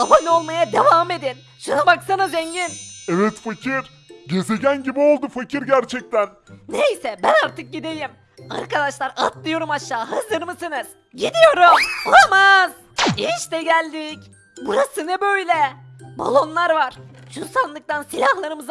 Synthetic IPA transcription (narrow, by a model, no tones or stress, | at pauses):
avano̞lˠmajad̪evaːme̞d̪in | ʃunabaksanazɛɲɟinevɛt̪facʰiɾ̥ | ɟe̞ze̞ɟænɟibio̞lˠd̪ufacʰiɾɟæɾt͡ʃʰɛc̚t̪ʰænnejsɛbænaɾt̪ʰɯk̚ɟid̪e̞jim | a̰ɾkad̪aʃlˠaɾa̰t̪̚lˠɯjo̞ɾumaʃːaːɦazɯɾmɯsɯnɯz̥ | ɟid̪ijo̞ɾumolˠamaz̥ | iʃt̪ɛɟælʲd̪ic | buɾasɯnɯbø̞jlʲɛ | ba̰lˠo̞nlˠaɾvaɾ̥ʃunsanlˠɯk̚t̪ansilʲahlˠaɾɯmɯz